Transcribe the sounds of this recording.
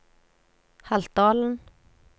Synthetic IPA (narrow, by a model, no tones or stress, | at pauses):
halt̪ɑːln